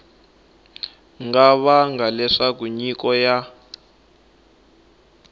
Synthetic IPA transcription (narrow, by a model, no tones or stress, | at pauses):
ŋɡaβaŋɡalɛʂak̬uɲikɔja